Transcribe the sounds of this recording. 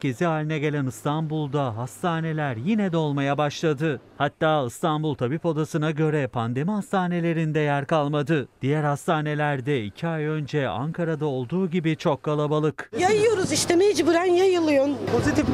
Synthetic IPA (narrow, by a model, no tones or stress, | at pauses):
ceziaːlʲinɛɟe̞lʲænɯst̪ʰanbulˠd̪aɦast̪ʰaːne̞lʲæɾjinɛd̪ɛo̞lˠmajabaʃlˠad̪ɯhat̪ːaːɯst̪ʰanbulˠt̪ʰabipo̞d̪asɯnaɟø̞ɾɛpʰand̪e̞miɦast̪ʰaːne̞lʲe̞ɾind̪ɛjæɾkʰalˠmad̪ɯd̪̥ijæɾhast̪ʰaːne̞lʲæɾd̪ɛicʰiajø̞nd͡ʒɛa̰ŋkʰaɾad̪ao̞lˠd̪uːɟibit͡ʃʰo̞kːalˠabalˠɯkjajɯjo̞ɾuziʃt̪ɛmeid͡ʒbɯɾanjajɯlˠɯjonpʰo̞zit̪if